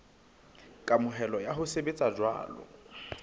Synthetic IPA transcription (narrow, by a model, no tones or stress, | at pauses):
kʼamʊɦɛlɔjaɦʊsebet͡sʼad͡ʒwa̰ːlɔ̰